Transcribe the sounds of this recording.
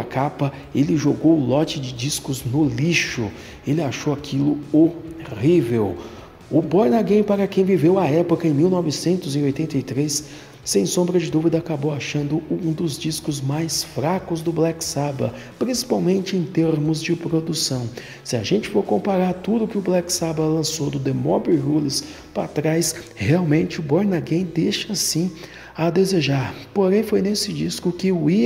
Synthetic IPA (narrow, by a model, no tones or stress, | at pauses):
kapɐ | elɪʒoɡowʊlɔt͡ʃɪd͡ʒɪd͡ʒiskʊznʊliʃʊ̰ | elɪaʃowakʰilʊoʁivew | ʊbɔjnaɡẽj̃paɾɐkẽj̃vivewɐɛpʊkɐẽj̃miwnɔvɪsẽnt̪ʊzɪojt̪ẽnt̪ɐjt̪ɾesː | ẽj̃sõmbɾɐd͡ʒɪd̪uvid̪ɐakabowaʃɐ̃nd̪ʊũd̪ʊzd͡ʒiskʊzmajsfɾakʊzd̪ʊblɛksabɐ̰ | pɾĩsi̥pawmẽnt͡ʃɪẽj̃t̪eɾmʊzd͡ʒɪpɾod̪usɐ̃w̃ | sɪaʒẽnt͡ʃɪfoɾkõmpaɾaɾt̪ud̪ʊkɪʊblɛksabɐlɐ̃sod̪ʊd̪emɔbiɦulɪs | pat̪ɾajsheawmẽnt͡ʃɪʊboɾnaɡẽj̃d̪eʃɐsĩ | ɐd̪ezeʒaɾpoɾẽj̃fojnesɪd͡ʒiskʊkɪʊi